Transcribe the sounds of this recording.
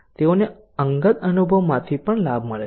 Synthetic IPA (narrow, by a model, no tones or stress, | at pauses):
t̪eone | əŋɡət̪ənubʱəʋmãt̪ʰipəɳlabʱməɭe